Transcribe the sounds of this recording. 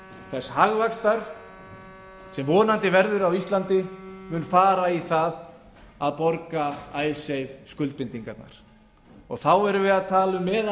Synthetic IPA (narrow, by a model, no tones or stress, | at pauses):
θɛsːhaɣvakst̪aɾ̥ | sɛmvɔːnant̪ɪvɛɾðʏɾawist̪lant̪ɪmʏːnfaːɾaiθað | aðpɔɾkaaːjsejvskʏlt̪̚pɪnt̪iŋkat̪na̰ɾ̥ | ɔɣθawɛɾʏvɪðaðt̪ʰaːlʏmːɛð